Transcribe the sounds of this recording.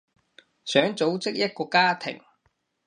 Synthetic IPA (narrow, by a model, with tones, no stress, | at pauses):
sœː˨˥ŋt͡so˨˥wt͡sɪ˥k̚jɐ˥t̚kɔː˧kaː˥t̪ʰɪ̰˨˩ŋ